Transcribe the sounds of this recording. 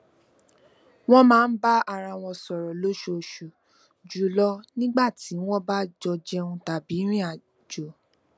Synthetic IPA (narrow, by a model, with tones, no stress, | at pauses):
w̃ɔ̃˦mãː˦˧n̩˦ba˦a˧ɾa˧w̃ɔ̃˧sɔ˨ɾɔ˨lo˦ʃo˧˨ʃu˨ | d͡ʒu˨lɔ˦nĩ˦ɡ͡ba˦˨ti˨˦w̃ɔ̃˦ba˦d͡ʒɔ˧d͡ʒɛ˧ũ˧ta˨bi˨˦ɾ̃ĩ˦a˨ | d͡ʒo˨